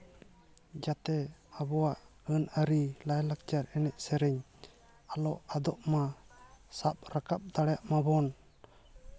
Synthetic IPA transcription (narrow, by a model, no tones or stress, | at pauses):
d͡ʒat̪ɛabɔwaʔənəɾilajlak̚t͡ʃaɾɛnɛʔ̚sɛɾɛɲ | alɔʔad̪ɔʔmasap̚ɾakap̚d̪aɽjaʔmabɔn